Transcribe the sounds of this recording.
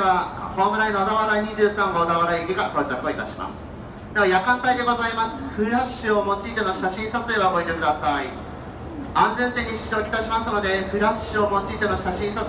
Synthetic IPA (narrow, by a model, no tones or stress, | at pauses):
βahoːmɯ̟ɾaĩnoad̪aβaɾaiɲ̟iʑɨːsãŋɡoːd̪aβaɾaiɡʲeɡat̪o̞ːt͡ɕakɯoit̪a̰ɕima̰sɨ̥ | d̪e̞majakãnt̪aid̪e̞ɡo̞zaimasɨ̥ɸɯ̟ɾaɕɨo̞mo̞t͡ɕiːt̪eno̞ɕaɕĩɰ̃sat͡sɨd̪eβaoɡoit̪ekɯ̟d̪asai | ãnd͡zẽ̞nt̪ẽ̞ɲ̟ːiɕi̥ʑo̞ːkʲi̥t̪aɕimasɨno̞d̪e̞ɸɯ̟ɾaɕɨo̞mo̞t͡ɕiːt̪enoɕaɕĩɰ̃sa